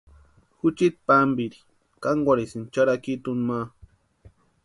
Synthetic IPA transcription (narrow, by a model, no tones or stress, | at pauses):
xʊt͡ʃit̪̚pambiɾi̥ | kaŋɡwaɾisint͡ʃaɾakit̪unma